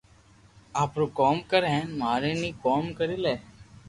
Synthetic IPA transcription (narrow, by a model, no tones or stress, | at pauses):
aːpɾoːkoːmkəɾɦɛ̃ːnmaːɾeːnĩːkoːmkəɾiːleː